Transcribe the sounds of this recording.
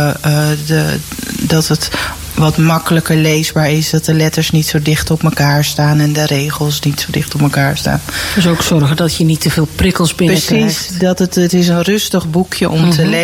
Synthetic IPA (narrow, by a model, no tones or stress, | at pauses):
ədɔtət | ʋɔtmɑkələkəɹlejzbaːɹɪsdɔt̚dəlɛtəɹsnitsowdɪχtɔpməkaːɹstaːnɛndəɾejχəlˠsnitsodɪχtɔpməkaːɹsta̰ːndəsowksɔrχədɔtjənitəvɪːlˠprɪkəlˠsbɪpəsisdɔtətətɪs̬ənrɵstəχbukʰjəʔɔmtʰəle